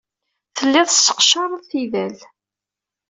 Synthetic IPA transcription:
θəlːɪðˤəsə̥qʃɑɾˤəðˤθiðæl

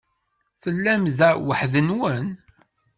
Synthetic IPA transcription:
θəlːæmzæwəħðənwən

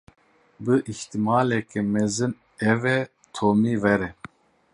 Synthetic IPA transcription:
bɨʔiht̪imɑːlɛkɛmɛzɨn | ɛvɛ | t̪ʰoːmiːvɛɾɛ

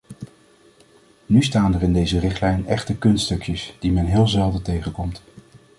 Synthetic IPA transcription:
nystaːnərɪndejzərɪχtlɛjnɛχtəkɵnstɵkjəsd̥imɛnɦɪːlˠzɛlˠdətejχəkɔmt

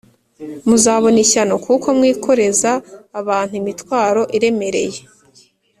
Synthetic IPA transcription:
muzaːβo̞niçano̞kuko̞mŋiːkʰo̞ɾe̞zaːβaːn̥huimitwaːɾo̞ʔiɾe̞me̞ɾe̞̰je̞

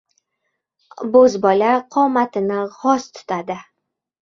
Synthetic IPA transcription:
bozbɒlaqʰɒmat̪ʰɪnɪʁɒst̪ʰʊ̥t̪ʰad̪ɪ

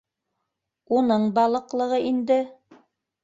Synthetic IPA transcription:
unɤɴbɑlˠɤ̆qlˠɤ̆ʁɤʔind̪ɘ

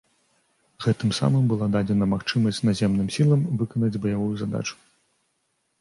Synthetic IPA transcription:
ɣɛt̪ɨmsa̰mɨmbɨlˠad̪ad͡zʲɛn̪ɐmaxt͡ʂɨmɐsʲt͡sʲnazʲɛmnɨmsʲilˠɐmvɨkɐnɐd͡zʲbɐjavujuzad̪a̰t͡ʂu̥

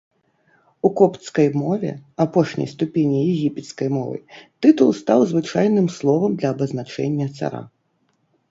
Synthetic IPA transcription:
ukɔpt̪skɐjmɔvʲɛ̰apɔʂnʲɐ̰jst̪upʲɛnʲijɛɣʲipʲɛt̪skɐjmɔvɨ̰t̪ɨt̪ulˠst̪awzvɨt͡ʂajnɨmslˠɔvɐmd̪lʲɐːbɐznat͡ʂɛnʲːɐt̪sa̰ɾa̰

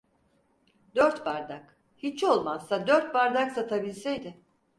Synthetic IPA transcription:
d̪øɾt̪baɾd̪ak | hit͡ʃʰo̞lˠmazːad̪øɾt̪̚baɾd̪aksat̪ʰabilʲsejd̪ɪ

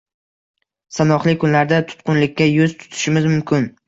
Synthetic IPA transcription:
sanɒχlˠɪkʰʊnlaɾd̪at̪ʰʊ̥t̪qʊnlɪkʲːajɵzt̪ʰʊ̥t̪ʰɪ̥ʃɪmɪzmʊmkʲʰɪn

